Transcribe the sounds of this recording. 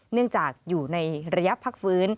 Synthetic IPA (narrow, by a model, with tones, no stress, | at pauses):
nɯ˥˩əŋt͡ɕaː˨˩k̚juː˨˩na˧jɾa˧ja˦˥pʰːa˦˥k̚fɯː˦˥n